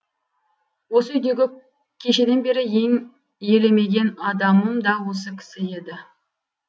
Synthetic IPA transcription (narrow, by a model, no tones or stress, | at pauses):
wo̞səʏjd̪e̞ɡʲɪ | kʲʰe̞ʃe̞d̪e̞nbe̞ɾɪje̞ŋ | je̞le̞me̞ɡʲe̞nɑd̪ɑməmd̪ɑwo̞s̬əkʲʰɪ̥sɪe̞d̪ɪ